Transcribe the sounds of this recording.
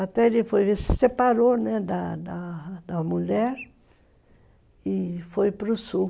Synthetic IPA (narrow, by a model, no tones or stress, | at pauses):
at̪ɛelɪfojvesɪ̥sepaɾonɛd̪ɐd̪ɐd̪ɐmuʎɛɾ | ɪfojpɾʊsu